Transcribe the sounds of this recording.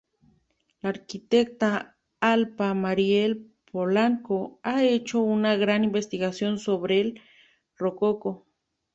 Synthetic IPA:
laɾkit̪ek̚t̪a | alpamaɾjel | polaŋkoaet͡ʃounaɣɾanimbest̪iɣasjonsoβɾel | rokoko

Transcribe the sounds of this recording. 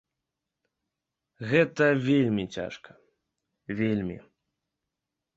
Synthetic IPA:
ɣɛt̪ɐvʲelʲmʲit͡sʲa̰ʂkɐ̥ | vʲelʲmʲḭ

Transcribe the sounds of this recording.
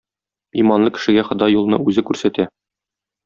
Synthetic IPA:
imɑnlˠɤkɘ̥̆ʃɘ̆ɡæχɤ̆d̪ɑjːulˠnɤʉzɘkʉɾsæt̪æ

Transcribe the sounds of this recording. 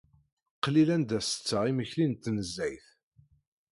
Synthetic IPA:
qːlilænd̪æsə̥t͡sːəʁiməçlint̪ːnəzːæjθ

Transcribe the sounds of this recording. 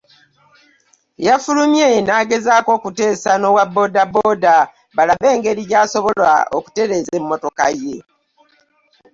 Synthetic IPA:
jafulumjeenaːɡe̞zaːko̞ːkute̞ːsano̞wabːo̞ːdabːo̞ːda | βalaβe̞ːŋɡe̞ɾiɟaːso̞βo̞lwa̰o̞̰ku̥te̞ɾe̞ze̞mːo̞to̞kaje̞

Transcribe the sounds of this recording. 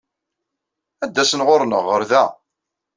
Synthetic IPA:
æd̪ːæsənʁoɾnəʁːəɾðæ

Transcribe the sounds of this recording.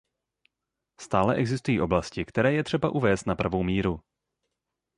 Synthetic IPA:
st̪aːlɛʔɛɡzɪst̪ujiːʔoblascɪkt̪ɛɾɛːjɛt̪r̝̥ɛbaʔuvɛːst̪napɾavowmiːɾu

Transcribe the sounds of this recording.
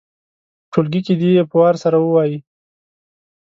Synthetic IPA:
ʈʰolɡikid̪ijepəwɑɾsaɾawəwɑji

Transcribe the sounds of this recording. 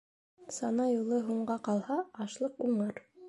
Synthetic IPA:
sɑnɑjulˠɤɦuɴɢɑqɑlˠhɑɑʃlˠɤquɴɑɾ

